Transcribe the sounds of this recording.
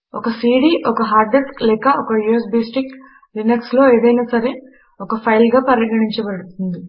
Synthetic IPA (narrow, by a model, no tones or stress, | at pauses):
ɔkɐsiːɽiʔɔkɐɦaːɾɖesklɛːkɐʔɔkɐjues̬beːsʈik | ɾinekslo̞ːe̞ːd̪ɐjnaːsɐɾe̞ | ɔkɐpʰɐjlɡaːpɐɾjɐɡɐɳiɲt͡ʃɐbɐɽut̪und̪i